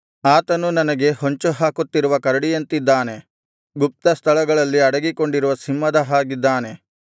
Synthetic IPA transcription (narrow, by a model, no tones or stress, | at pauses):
aːt̪ɐnunɐnɐɡe̞ɦoɲt͡ʃuɦaːkut̪ːiɾuʋɐkɐɾɐɽijɐnt̪id̪ːaːne̞ | ɡup̚t̪ɐst̪ʰɐɭɐɡɐɭɐlːiɐɽɐɡiko̞ɳɖiɾuʋɐsimːɐd̪ɐɦaːɡid̪ːaːne̞